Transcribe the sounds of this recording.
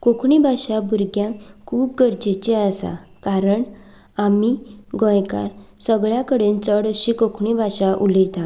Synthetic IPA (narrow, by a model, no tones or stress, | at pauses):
kokʰɳibʱaɕabʱuɾɡjãkʰuːp̚ɡəɾd͡ʑet͡ɕeəsa̰kaɾəɳ | amiɡɔ̃jka̰ɾsəɡɭjakəɽent͡səɽəɕikokʰɳibʱaɕaʔulət̪ã